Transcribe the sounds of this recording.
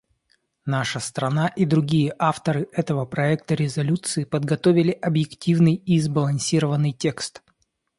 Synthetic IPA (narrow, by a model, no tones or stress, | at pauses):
naʂəst̪ɾɐnaʔid̪ɾʊɡʲijəʔaft̪əɾɨʔɛt̪əvəpɾɐɛkt̪əɾʲɪzɐlʲut̪sɨɪpəd̪ɡɐt̪ovʲɪlʲɪʔɐbjɪktʲivnɨjizbəlˠɐnʲsʲiɾəvənːɨjtʲe̞kst̪